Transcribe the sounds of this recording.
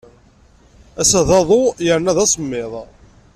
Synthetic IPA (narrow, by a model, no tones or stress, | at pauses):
æsæðɑðˤojəɾnæðɑsˤəmːɪðˤ